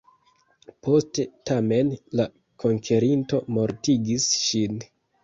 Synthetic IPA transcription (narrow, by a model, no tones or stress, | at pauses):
po̞ste̞tame̞nla | kʰo̞ŋkʰeɾinto̞mo̞ɾtiɡisʃin